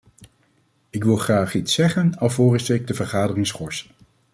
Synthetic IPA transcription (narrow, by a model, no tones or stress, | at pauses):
ɪkʋɪlˠχraːχitsɛχənɑlˠvoːrɪstəɪɡ̚dəvəɹχaːdərɪŋsχɔɹs